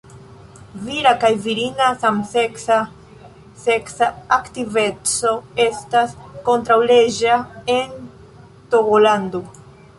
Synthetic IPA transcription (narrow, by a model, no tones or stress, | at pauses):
viɾakajviɾinasamseksa | seksaaktive̞t͡so̞e̞stasko̞ntɾawle̞d͡ʒaen | to̞ɡolando